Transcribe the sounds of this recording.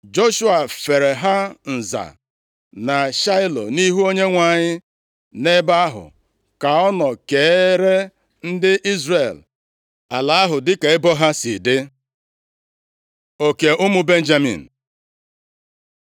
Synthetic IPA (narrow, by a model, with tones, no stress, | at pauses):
d͡ʒo˦ʃu˦a˨fe˨ɾe˨ɦa˦n̩˨za̰˨ | na˨ʃa˦ɪ˦lo̰˨ni˦ɦu˦o˦ɲe˦ŋʷa˨ɲɪ˦ | ne˦ba˦a˦ɦʊ̰˨ | ka˨ɔ˦nɔ˨ke˨˦ɾe˦ | n̩˦dɪ˦ʔi˦zre˨l | a˨la˨˦a˦ɦʊ˨dɪ˦ka˨ɪ˦bɔ˦ɦa˦si˨dɪ˦ | o˨ke˨ʔʊ˦mʊ˦be˦n̩˦d͡ʒa˦mḭ˨n̩˨